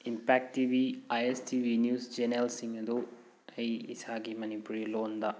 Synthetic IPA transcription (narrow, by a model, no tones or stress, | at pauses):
impaːk̚ʈʈiːʋiɐjesʈʰiːʋinjuːsd͡ʒenelsiŋɡɐd̪u | ejisaːɡimɐnipuɾijuloːund̪a